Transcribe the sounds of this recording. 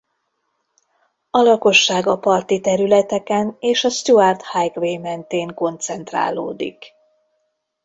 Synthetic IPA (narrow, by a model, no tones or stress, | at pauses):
ɒlɒko̞ʃːaːɡɒpɒrt̪it̪ɛɾylɛt̪ɛkɛneːʃɒst̪uart̪hajkʋeːmɛnt̪eːŋko̞nt̪sɛnt̪ra̰ːlo̰ːd̪ḭk